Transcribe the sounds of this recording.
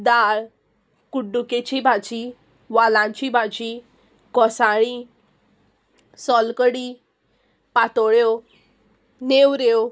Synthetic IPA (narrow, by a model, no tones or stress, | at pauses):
d̪aɭ | kuɖːuket͡ɕibʱad͡ʑi | ʋalãɲt͡ɕibʱad͡ʑi | kɔsaɽ̃i | sɔlkəɽi | pat̪ɔɭjo | newɾo